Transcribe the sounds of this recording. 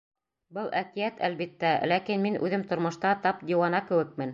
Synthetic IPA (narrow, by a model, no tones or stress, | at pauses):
bɤlˠækijæt̪ælβit̪ːælækinminʔʉ̰ðɘmt̪ŏɾmŏʃt̪ɑt̪ɑp̚d̪ʲiwɑnɑkɘ̆wɘ̆k̚mɘn